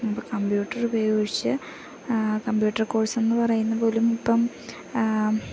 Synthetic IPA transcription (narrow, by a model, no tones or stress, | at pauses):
ɐpːɐkɐmbjuːʈːɐrubɐjoɻit͡ɕːɨ | kɐmbjuːʈːɐrko̞ːrse̞nːɨpɐrɐjunːɐpo̞ːlumipːɐm